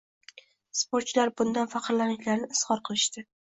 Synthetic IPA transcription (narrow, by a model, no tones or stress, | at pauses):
spoɾt̪t͡ʃlaɾbʊnd̪anfaqʰɨɾlanɪʃlaɾnɪɪshɒɾqʰɨlˠɪʃt̪ɪ